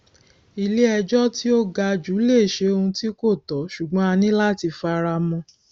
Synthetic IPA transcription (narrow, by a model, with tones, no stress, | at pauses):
i˧le˦ɛ˧d͡ʒɔ˦ti˦o˦ɡa˧d͡ʒu˨˦le˦˨ʃe˧o˧ũ˧ti˦ko˦˨tɔ˨˦ʃu˨ɡ͡bɔ̃˨˦a˧nĩ˦la˦˨ti˧fa˧ɾa˧mɔ̃˧